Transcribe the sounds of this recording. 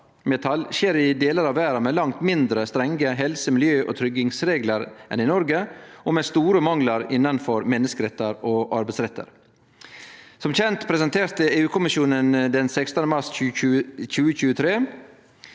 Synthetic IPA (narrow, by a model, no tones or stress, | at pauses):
mɛt̪ʰɑlɕeːɾɪd̪eːləɾɑʋæːɾɑmeːlɑŋt̪mɪnd̪ɾəst̪ɾɛŋɡəɦɛlsəmɪljøːʔɔ̰ːt̪ʰɾʏɡɪŋsɾeːɡləɾʔɛ̰nɪnɔɾɡəʔɔmeːst̪uːɾəmɑŋlɑɾɪnːɑnfɔɾmɛnːəskəɾɛt̪ːəɾoʔɑɾbɛɪsɾɛt̪ːə̰ɾ | sɔmçɛnt̪pʰɾɛsənt̪ʰeːɾt̪əeːʉːkʰʊmɪʃjuːnənd̪ɛnsɛkst̪ənəmɑʂʉʉc͡çʉːəçʉːət̪ʰɾeː